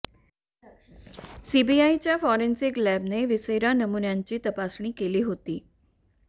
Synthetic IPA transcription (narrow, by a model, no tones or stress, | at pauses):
sibiait͡ɕjafɔɾensiklæbneʋisəjɾanəmunjaɲt͡ɕiːt̪əpasɳ̃iːkeliːɦot̪iː